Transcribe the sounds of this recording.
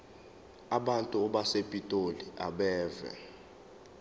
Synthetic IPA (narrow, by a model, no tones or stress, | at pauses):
aɓantʼuɔɓasepʼitʼoliaɓɛːvɛ̰